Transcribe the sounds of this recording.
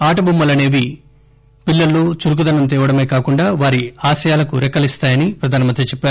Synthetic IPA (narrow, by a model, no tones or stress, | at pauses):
aːʈɐbumːɐlɐne̞ːʋi | pilːɐlːoːt͡ʃuɾuk̬ud̪ɐnɐnt̪̬ɛːʋɐɽɐmeːkaːkuɳɖaːʋaːɾiaːsɐjaːlɐkuɾɛkːɐlist̪aːjɐnipɾɐd̪ʱaːnɐmɐnt̪ɾet͡ʃɛpːaːɾu